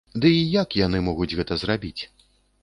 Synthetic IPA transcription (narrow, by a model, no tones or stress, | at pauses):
d̪ɨijakjan̪ɨmɔɣud͡zʲɣɛt̪ɐzrabʲit͡sʲ